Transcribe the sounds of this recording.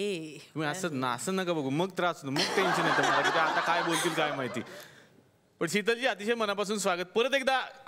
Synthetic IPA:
eumiəsənaə̰səːnəkabəɡʱuːməɡ̚t̪əɾat͡sunəməɡʈ̪ẽɲɕənat̪əm̤ə̃t̪ak̪it̪aat̪akajbolt̪iːlkajmaɦit̪ḭː | pəɳɕit̪̬əlt͡ɕiːət̪iɕəjmənapas̬uːnsʋaɡət̪̚pəɾət̪ekd̪a

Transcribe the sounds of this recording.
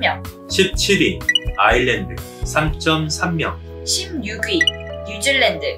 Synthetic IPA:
mjʌŋ | ɕʰip̚t͡ɕʰiɾiaiɭːendɯ | sʰamt͡ɕ͈ʌmsʰamːjʌŋ | ɕʰimjuɡɥijud͡ʑɯɭːendɯ

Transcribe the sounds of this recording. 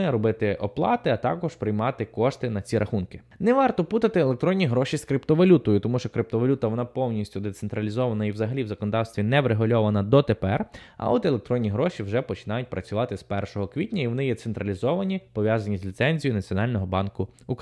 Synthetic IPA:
ɪɾɔbɪt̪ɪʔɔ̰plˠɑt̪ɪɐt̪ɑ̰kɔʒpɾɪjmɑt̪ɪkɔʃt̪ɪnɐt͡sʲiɾɐxunkɪ̥ | nɛʋɑrt̪ɔput̪ɐt̪ɪelˠekt̪ɾɔnʲːiɦɾɔʃʲiskɾɪpt̪ɔʋɐlʲut̪ɔjʊt̪ɔmuʃt͡ʃɔkɾɪp̚t̪ɔʋɐlʲut̪ɐʋɔnɑpɔwnʲisʲtʲʊd̪et̪sent̪ɾɐlʲizɔʋɐnɐiwzɐɦɐlʲiʋzɐkɔnɔd̪ɑwst̪ʋʲinɛʋɾeɦʊlʲɔʋɐnɐd̪ɔt̪epɛrɐ̰ɔt̪elˠek̚t̪ɾɔnʲːiɦɾɔʃʲiwʒɛpɔt͡ʃɪ̥nɑjʊt̚ʲpɾɐt͡sʲʊʋɑt̪ɪspɛrʃɔɦɔkʋʲitʲnʲɐiʋɔnɪjɛt̪sent̪ɾɐlʲizɔʋɐnʲipɔʋʲjazɐnʲizʲlʲit̪sɛnʲzʲijʊnɐt͡sʲiɔnɑlʲnɔɦɔbɑnkʊuk

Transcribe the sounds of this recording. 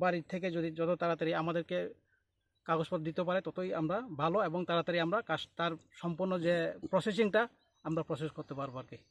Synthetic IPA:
baɾit̪ʰːeked͡ʒod̪id͡ʒɔt̪ot̪aɾat̪aɾiamad̪eɾke | kaɡospɔt̪d̪it̪epaɾet̪ɔt̪ojamɾabʱaloebɔŋt̪aɾat̪aɾiamɾakast̪aɾsɔmpuɾnɔd͡ʒepɾɔses̬iŋʈa | amɾapɾɔseskɔɾt̪epaɾbaɾki

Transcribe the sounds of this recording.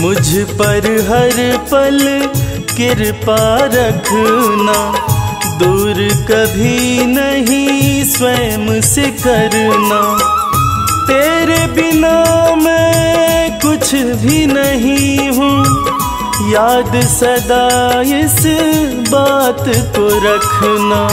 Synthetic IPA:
mʊd͡ʒʱpɐɾɦɐɾpɐl | kɪɾpaɾɐkʰna | d̪uːɾkɐbʱinɐɦĩswɐmsekɐɾna | t̪eːɾebɪnamɛ̃ | kʊt͡ʃʰbʱinɐɦĩɦũː | jaːd̪sɐd̪aːɪs | baːt̪koɾɐkʰnaː

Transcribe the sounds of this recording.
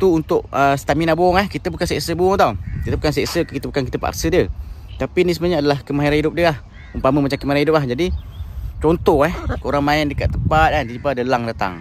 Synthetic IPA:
t̪uunt̪ʊʔəst̪aminabʊŋɛhkit̪əbukansɛʔsəbuŋt̪awkit̪əbukansɛʔsəkit̪əbukankit̪əpa̰ksədiət̪apinis̬əməɲəadalahkəmaɦiɾanɦidʊp̚diəlah | əmpaməmat͡ʃamkəmaiɾanidʊp̚lahd͡ʒadi | t͡ʃɔnt̪ɔhɛhkəoɾaŋmaɪndəkaʔt̪ːəmpat̪̚ant̪əipadəlaŋdat̪a̰ŋ

